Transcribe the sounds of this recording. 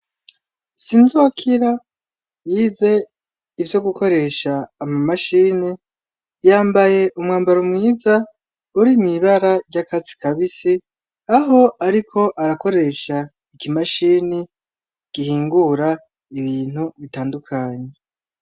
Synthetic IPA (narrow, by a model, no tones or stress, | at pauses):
sinzokʰiɾa | jiːze̞ | ivjo̞ɡuko̞ɾe̞ʃaːmamaʃiːni | jaːmbaje̞ʔumŋaːmbaɾomŋiːza | uɾimiβaɾaɾɟakat͡si̥kaβisi | aɦo̞aɾikʰo̞ʔaɾako̞ɾe̞ʃa | ikimaʃiːni | kihiːŋɡuɾa | iβiːn̥huβitaːndukʰaɲe